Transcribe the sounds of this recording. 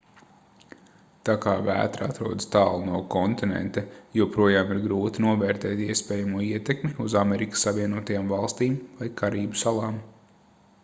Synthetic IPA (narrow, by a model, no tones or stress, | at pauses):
t̪akaːvæ̰ːt̪ɾaa̰t̪ɾuɔd̪st̪ɑːlˠnuɔkɔnt̪inḛnt̪ejuɔpɾuɔjaːmiɾɡɾuːt̪inuɔvɛːɾt̪ɛːt̪iɛspɛːjamuɔiɛt̪ekmiuzamɛɾikə̥sːaʋiɛnuɔt̪ajaːmvɑlˠst̪iːmvajkʰaɾiːbusalˠɑːm